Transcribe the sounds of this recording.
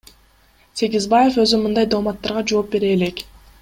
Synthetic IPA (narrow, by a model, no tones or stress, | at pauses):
sʲe̞ɡizbaje̞fø̞zymɯnd̪ɑjd̪olmɑt̪ːɑɾʁɑd͡ʒo̞ːp̚be̞ɾe̞ːle̞k